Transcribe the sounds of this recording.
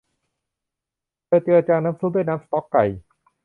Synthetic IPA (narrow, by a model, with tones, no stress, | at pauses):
lɤː˧t͡ɕ̪i˧ɾa˧t͡ɕaː˧naː˦˥msu˦˥d̪u˥˩jnaː˦˥msḁ˧t̪ɔ˦˥kːa˨˩j